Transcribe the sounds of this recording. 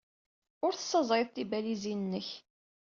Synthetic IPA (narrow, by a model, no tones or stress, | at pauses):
ʊɾθə̥sːɑzˤɾeðˤt̪ibælizinənːəç